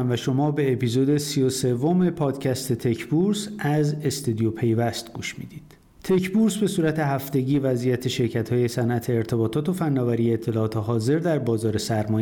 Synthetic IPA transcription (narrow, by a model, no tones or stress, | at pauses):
mvæʃo̞mɒːbe̞ːpiːzoːd̪e̞siose̞vo̞me̞pʰɒːd̪cʰæst̪ʰe̞t̪ʰe̞cʰbuɾsæze̞st̪ud̪ijopʰe̞jvæst̪ɡuːʃmḭːd̪iːd̪̥ | t̪ʰe̞cʰbuɾsbe̞suːɾæt̪ʰe̞ɦæft̪e̞ɟiːvæzijæt̪ʰe̞ʃe̞ɾcʰæt̪hɒːje̞sænʔæt̪ʰe̞ːɾt̪ʰe̞bɒːt̪ʰɒːt̪o̞fænːɒːvæɾijeːt̪ʰːe̞lɒːɒːt̪ʰeɦɒːze̞ɾd̪æɾbɒːzɒːɾe̞sæɾmɒːj